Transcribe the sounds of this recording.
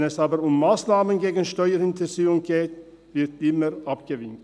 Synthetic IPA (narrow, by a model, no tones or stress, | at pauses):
nɛsaːbəɾʊmːaːsnaːmənɡeːɡən̩ʃtɔʏəɾɪntʰəzyːʊŋɡeːt | vɪɐtɪməɾʔapɡ̥əvɪnt